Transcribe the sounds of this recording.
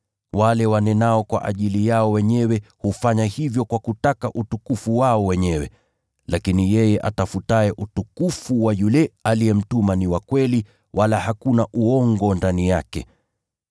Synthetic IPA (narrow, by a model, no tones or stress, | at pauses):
walɛwanɛnaɔkwa̰ʔaʄilijaɔwɛɲɛwɛhufaɲahivjɔkwakutakaʔutukufuwaɔwɛɲɛwɛ | lakinijɛjɛʔa̰tafutaɛʔutukufuwajulɛalijɛm̩tumaniwakwɛli | walahakunaʔuɔŋɡɔndanijakɛ̰